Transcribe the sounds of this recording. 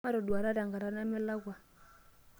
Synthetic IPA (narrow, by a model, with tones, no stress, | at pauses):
a˦ɾɔ˨du˨a˨ɾa˦ɾa˨ŋɡa˨ɾa˨na˦mɛ˦la˦ɣwa˨